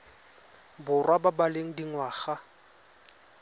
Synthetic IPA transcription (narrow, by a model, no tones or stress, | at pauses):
bʊrwababaleŋ̩diŋwaːɣa